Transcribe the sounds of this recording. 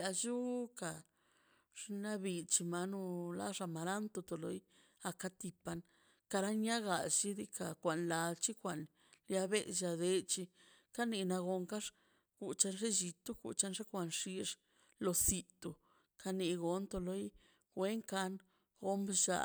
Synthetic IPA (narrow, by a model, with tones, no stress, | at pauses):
a˧d͡ʒu˦ka˨ | ʐ̥na˦bi˧t͡ʃi˧ma˧nu˧la̰˦ʐa˧ma˨ɾa˦nt̪o˧t̪o˨lo˧j | a˧ka˧t̪i˧pa˧n | ka˧ɾa˦ɲa˦ɡa˨t͡ʃi˦d̪i˦ka˨kʷa˨nla˨˧lt͡ʃi˦kʷa˨n | lja˧be˦ʃa˧d̪e˧t͡ʃi˧ | ka˦ni˧na˧ɡo˧ŋka˦ʂ | ɡ̥u˨t͡ʃa˧nʐe˦d͡ʒi˧t̪u˦ɡṵ˨t͡ʃa˧nʐe˦kʷa˧nʂi˧ʂ | lo˧si˧t̪o˧ | kʰa˧ni˧ɡo˧nt̪o˧lo˧j | ɡwʷe˦ŋka˧n | ɡo˦mbʃa̰˧